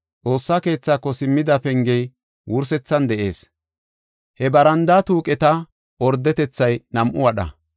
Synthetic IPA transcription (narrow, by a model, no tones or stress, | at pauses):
t͡sʼo̞ːsːaːke̞ːt͡sːaːkːɔsɪmːɪd̪ɐpɛŋɡɛj | wʊɾsɛt͡sːɐnd̪ɛʔe̞̰ːs | hɛbɐɾɐnd̪aːt̪uːkʼɛt̪ɐ | ɔɾd̪ːɛt̪ɛt͡sːɐjnɐmʔʊwɐɗɐ̰